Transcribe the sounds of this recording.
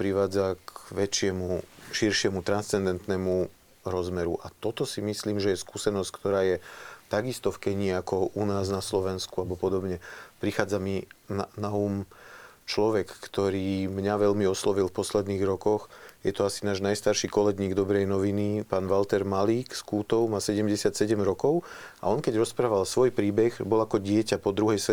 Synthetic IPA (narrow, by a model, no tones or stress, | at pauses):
pɾiʋaːd͡zakʋɛt͡ʃɪɛmuʃiɾʃɪɛmut̪ɾanst͡sɛnd̪ɛnt̪nɛːmu | ɾɔzmɛɾuʔat̪ɔt̪ɔsimisliːmʒɛjɛskuːsɛnɔsckt̪ɔɾaːjɛt̪aɡist̪ɔfkɛɲɪːakɔʔunaːznaslɔʋɛnskuabɔpɔd̪ɔbɲɛpɾixaːd͡zaminanauːmt͡ʃlɔʋɛkːt̪ɔɾiːmɲaʋɛʎmiɔslɔʋilfpɔslɛd̪niːɣɾɔkɔxjɛt̪ɔasinaːʒnajst̪aɾʃikɔlɛɡɲiːɡd̪ɔbɾɛjnɔʋinipaːnʋalt̪ɛɾmaliːkskuːt̪ɔʊmaːsɛɟɛmɟɛsɪat̪sɛɟɛmɾɔkɔʊa̰ɔnkɛɟɾɔspɾaːʋalsʋɔjpɾiːbɛɣbɔlakɔɟɪɛcapɔd̪ɾuɦɛjsɛ